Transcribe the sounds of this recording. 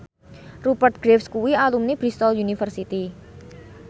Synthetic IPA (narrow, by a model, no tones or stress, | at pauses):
rupərt̪̚ɡ̥ɾefskuwialumnib̥ɾist̪ɔljunifərsit̪i